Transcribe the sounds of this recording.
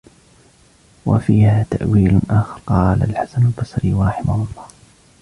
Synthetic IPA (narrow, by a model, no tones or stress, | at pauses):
wa̰fiːhaːt̪aʔwiːlʔaːxɑɾˤqɑːla̰lħasanalbɑsˤɾiːwɑɾˤɑħɪmahʊlˤːɑːh